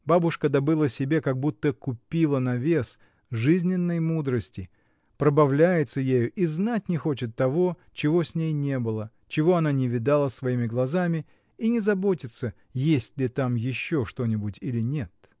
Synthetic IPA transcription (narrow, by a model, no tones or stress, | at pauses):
babʊʂkəd̪ɐbɨlˠəsʲɪbʲe̞kɐɡ̚but̪ːəkʊpʲilˠənɐvʲe̞s | ʐɨzʲnʲɪnːəjmud̪ɾəsʲtʲɪ | pɾəbɐvlʲæjɪt̪səjejʊʔiznatʲnʲɪxo̞t͡ɕɪt̪ːɐvo̞ | t͡ɕɪvo̞sʲnʲejnʲe̞bɨlˠə | t͡ɕɪvo̞ɐnanʲɪvʲɪd̪alˠəsvɐimʲɪɡlˠɐzamʲɪ | inʲɪzɐbo̞tʲɪt̪sə | jesʲtʲlʲɪt̪amjɪɕːo̞ʂt̪o̞nʲɪbʊtʲilʲɪnʲe̞t̪̚